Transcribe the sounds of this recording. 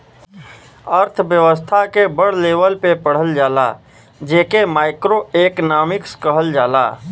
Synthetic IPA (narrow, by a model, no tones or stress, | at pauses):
əɾt̪ʰʋjəʋəst̪ʰakebəɽ̤leːʋəlpepəɽ̤əld͡ʒaːla̰ | d͡ʒeːkemaːɪkɾoeːknaːmɪkskəɦəld͡ʒaːla̰ː